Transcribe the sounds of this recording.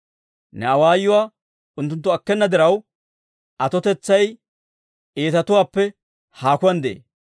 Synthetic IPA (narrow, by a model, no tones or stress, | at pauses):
nɛɐwaːjːʊwaː | ʔʊnt̪̬ːʊnt̪ːʊɐkːɛnːɐd̪ɪɾɐw | ʔɐt̪ɔt̪ɛt͡sːɐj | ʔeːt̪ɐt̪ʊwaːpːɛ | haːkʊwɐnd̪ḛː